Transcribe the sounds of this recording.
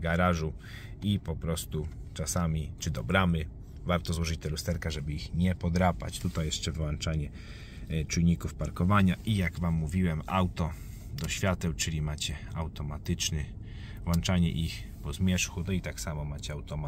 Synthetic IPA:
ɡaɾaʐu | ipɔpɾɔst̪ut͡ʂasamʲit͡ʂɘd̪ɔbɾamɘ | vaɾt̪ɔzwɔʐɘt͡ɕt̪ɛlust̪ɛɾkɛʐɛbɘixɲɛpɔd̪ɾapa̰t͡ɕt̪ut̪ajɛʂt͡ʂɛvwant͡ʂaɲɛ | t͡ʂujɲikufpaɾkɔvaɲaʔijaɡvamːuvʲiwɛmawt̪ɔ | d̪ɔɕfʲjat̪ɛwt͡ʂɘlʲimat͡ɕɛa̰wt̪ɔmat̪ɘt͡ʂnɘ | vwant͡ʂaɲɛ̰ʔix | pɔzmʲjɛʂxut̪nɔit̪aksamɔmat͡ɕɛawt̪ɔma

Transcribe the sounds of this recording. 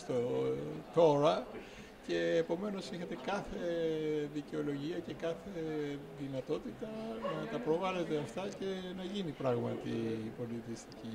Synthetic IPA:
st̪ot̪o̞ɾɐ | ce̞ːpo̞me̞no̞siçɐt̪e̞kɐθe̞ðiceo̞lo̞ʝiɐce̞kɐθe | ðinɐt̪o̞t̪it̪ɐnɐɐt̪ɐpɾo̞vɐle̞t̪eɐft̪ɐce̞nɐʝinipɾɐɣmɐt̪ipo̞lit̪ist̪ici

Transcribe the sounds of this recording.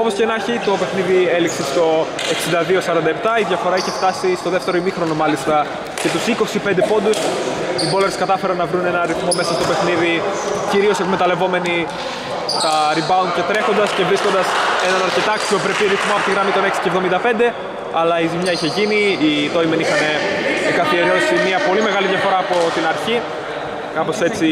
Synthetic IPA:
o̞po̞scenɐçit̪o̞pe̞xniðielikse̞st̪o̞ | eksind̪ɐðio̞sɐɾɐnd̪ɐep̚t̪ɐiðʝɐfo̞ɾɐiçe̞ft̪ɐsist̪o̞ðe̞ft̪e̞ɾo̞imixɾo̞no̞mɐlist̪ɐ | ce̞t̪usiko̞sipe̞nd̪epo̞nd̪us | ibo̞leɾskɐt̪ɐfe̞ɾɐnːɐvɾune̞nɐnɐɾiθmo̞mesɐst̪ope̞xniðiciɾio̞sekme̞t̪ɐle̞vo̞me̞ni | t̪ɐɾibɐunce̞t̪ɾe̞xo̞nd̪ɐsce̞vɾisko̞nd̪ɐse̞nɐnɐɾce̞t̪ɐɐksio̞pɾep̪iɾiθmoɐpo̞t̪iɣɾɐmit̪o̞neksi̥cevðo̞mind̪ɐpe̞nd̪e̞ | ɐlɐizimɲɐiçe̞ʝiniːt̪o̞jmenixɐne̞ːɡɐθie̞ɾo̞simiɐpo̞lime̞ɣɐlijɐfo̞ɾɐːpo̞t̪inɐɾçi | kɐpo̞se̞t͡si

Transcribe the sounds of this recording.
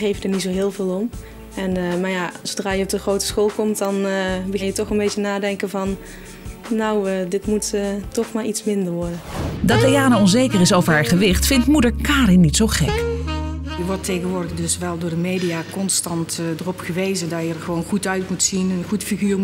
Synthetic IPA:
ɣejvədəɹnits̬owɦɪːlˠvɪːlˠɔm | ɛnmaːjasodraːjəɔp̚dəχrowtə̥sxoːlˠkɔmt̚dɑnbəɣɪnjətɔχənbejənaːdɛŋkənvɑnː | awədɪtmutətɔχmaːɹitsmɪndəɹʋɔɹdəndɑt̚dejaːnəɔnzejkərɪsowvəɹɦaːɹχəʋɪχtfɪntmudəɹkaːɾɪnːitsowχɛ̰k | jəʋɔɹtejɣənʋʊːɹdədɵsʋɛlˠdʊːɹdəmejdijaːkɔnstɑntdərɔpχəʋejzədɑjəəɹχəʋownχutœɥtmutsinənχutfiɣyːɹ

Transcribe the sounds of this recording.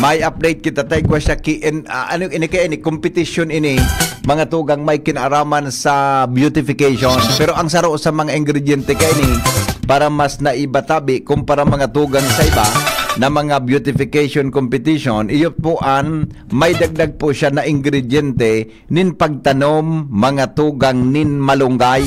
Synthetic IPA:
mɐjʔɐp̚d̪ejt̪̚kɪt̪at̪aɪkwaʃakɪʔɪnaʔanoʔɪnikajaʔɪnɪkompɪt̪ɪʃonɪnimɐŋat̪uːɡaŋmajkɪnaʔaɾaːmansabjut̪ɪfɪkajʃonpɛɾoʔɐŋsɐɾoʔsɐmɐŋaʔɪŋɡɾɛd̪ɛnt̪ɛkaʔɪnipaːɾamasnɐʔɪbat̪aːbɪʔkʊmpaɾamɐŋat̪uːɡaŋsɐʔɪbanɐmɐŋabjut̪ɪfɪkɛjʃonkompɪt̪iʃonʔɪjʊt̪̚puʔan | mɐjd̪aɡ̚d̪aɡ̚pʊʃanɐʔɪŋɡɾɛd̪ɛnt̪ɛ | nɪnpɐɡ̚t̪ɐnomːɐŋat̪uːɡaŋnɪnmɐlʊŋɡaj

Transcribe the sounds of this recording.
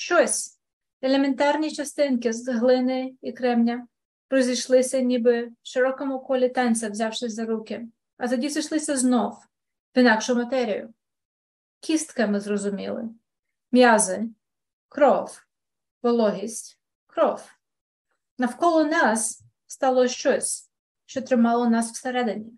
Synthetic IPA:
ʃt͡ʃɔsʲ | ɛlʲement̪ɑrnʲit͡ʃɐst̪ɪnkɪzɦlˠɪnɪjikɾɛmnʲɐ | ɾɔzʲijʃlˠɪsʲɐnʲibɪʃɪɾɔkɔmʊkɔlʲɪt̪ɑnʲsʲɐwzʲɑwʃɪsʲzɐɾukɪ | ɐt̪ɔdʲiziʃlˠɪsʲɐznɔw | ʋinɑkʃʊmɐt̪ɛɾʲijʊ̰ | kʲʰist̪kɐmɪzrɔzʊmʲḭlˠɪ̰ | mʲjazɪ | kɾɔw | ʋɔlˠɔɦʲisʲtʲ | kɾɔw | nɐwkɔlˠɔnɑs | st̪ɑlˠɔʃt͡ʃɔsʲ | ʃt͡ʃɔt̪ɾɪmɑlˠɔnɑsw̥seɾɛd̪enʲːi

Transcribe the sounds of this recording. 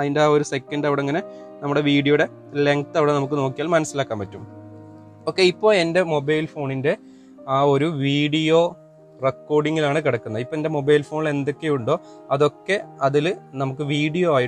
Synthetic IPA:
ɐðindeaːo̞ɾusekːɐnɖɐʋiɽeŋːɐne̞ | nɐmːuɽe̞ʋiːɽijoɽe̞ | le̞ŋkt̪ɐʋiɽenɐmukːɨno̞ːkːijaːlmɐnɐsːilaːkːaːmpɐtːum | o̞ːkːe̞ipːo̞ːɭe̞nde̞mo̞bɐjlfo̞ːɳinde̞ | aːo̞ɾuʋiːɽijo̞ | rekːo̞ːɖiŋːilaːɳɨkiɽɐkːunːɐipːoende̞mo̞bɐjlfo̞ːɳile̞nd̪o̞kːejuɳɖo̞ː | ɐðo̞kːe̞ɐðilnɐmukːɨʋiːɽijoːaːji

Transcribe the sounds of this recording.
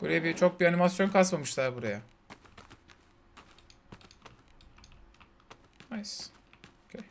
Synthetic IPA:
b̥uɾajabit͡ʃʰo̞k̚bianimasjo̞nkʰasmamɯʃlˠaɾbuɾaja | najsokʲʰej

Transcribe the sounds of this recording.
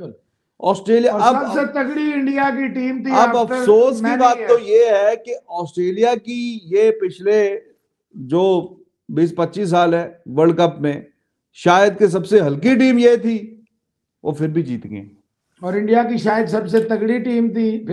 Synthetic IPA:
kʊl | ɔːsʈɾeːlijaːɐbsɐset̪ɐɡɽiɪ̃ɳɖijak̬iʈiːmt̪ʰiɐɐfsoːsibaːt̪ːojeɦɛkeɔːsʈɾeːlijakijepɪt͡ʃʰle | d͡ʒoː | biːspɐtːʃiːs̬ːaːlɦɛːʋəɾɖ̚kɐpmẽ | ʃaːjəd̪̚kis̬ɐbseɦɐlkiʈ̬iːmjet̪ʰi | o̰ːfɪɾbʱid͡ʒḭːt̪ḛ̃ŋɡḛ̃ː | ɔːɾɪ̃ɳɖijakiʃaːjəd̪sɐbs̬et̪ɐɡɽiʈiːmt̪i

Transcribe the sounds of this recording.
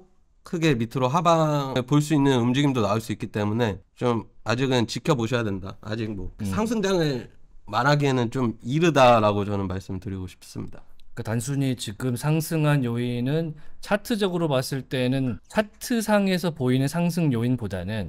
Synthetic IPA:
kʰɯɡe̞mitʰɯɾoɦabaɯɭpoɭs̬͈uinːɯnumd͡ʑiɡimdonaɯɭs͈uik͈it͈e̞mune̞t͡ɕomad͡ʑiɡɯnt͡ɕikʰjʌboɕʰʌjade̞ndaa̰d͡ʑik̚mʌsʰaŋs̬ʰɯŋd͡ʑaŋɯɭmaɾɦaɡiɦenɯnt͡ɕomiɾɯdaɾaɡot͡ɕʌnɯnmaɭs͈ɯmɭtɯɾiɡoɕʰi̥p̚s͈ɯmɲidak͈atansʰuɲit͡ɕiɡɯmsʰaŋsʰɯŋɦanjoinɯnt͡ɕʰatʰɯd͡ʑʌɡɯɾomas͈ɯɭt͈e̞nɯnt͡ɕʰatʰɯsʰaŋe̞sʰʌpoinɯnsʰaŋs̬ʰɯŋjoinpodanɯn

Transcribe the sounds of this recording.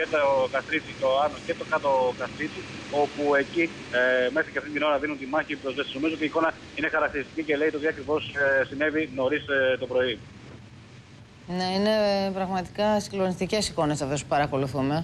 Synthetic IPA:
et̪okɐst̪ɾit͡sit̪oɐnocet̪o̞kɐt̪okɐst̪ɾit͡sio̞pue̞ci | me̞sɐcɐft̪int̪ino̞ɾɐðinunt̪imɐçipɾo̞zvesizno̞mizoot̪iko̞nɐ | inexɐɾɐkt̪iɾist̪icice̞le̞it̪ot̪iɐkɾivo̞ssine̞vino̞ɾist̪o̞pɾo̞i | ne̞ine̞pɾɐɣmɐt̪i̥kɐsiɡlo̞nist̪ice̞siko̞ne̞sɐft̪o̞spu̥pɐɾɐko̞luθume̞

